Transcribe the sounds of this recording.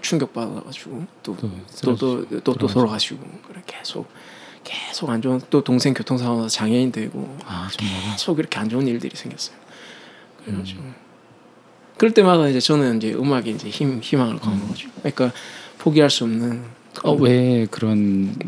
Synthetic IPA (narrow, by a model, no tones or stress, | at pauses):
t͡ɕʰuŋɡjʌk̚p͈adʌ̰ɾa̰ɡad͡ʑiɡot͈oodot͈ot͈otoɾʌɡaɕʰiɡo̰kɯɾeke̞sʰo̰k̚ | k͈esʰoɡand͡ʑont͈otoŋsʰe̞ŋkʲjotʰoŋsʰaanasʰʌt͡ɕaŋʌɲidwe̞ɡo̰akesʰoɡiɾʌkʰe̞and͡ʑouniɭdɯɾisʰe̞ŋɡjʌs͈ʌjo | kɯɾeɡad͡ʑiɡo | kɯɾʌɭt͈e̞madaind͡ʑe̞t͡ɕʌnɯnind͡ʑe̞ʔɯ̰maɡeind͡ʑe̞çimçimaŋɯ̰ɭkaʌnɡʌd͡ʑiɡokɯɲik͈apʰoɡiɦaɭs͈uʌmnɯn | ʌwe̞kɯɾʌn